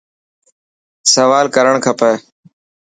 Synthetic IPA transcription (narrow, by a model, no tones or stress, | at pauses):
səʋaːlkəɾəɳ̃kʰəpəː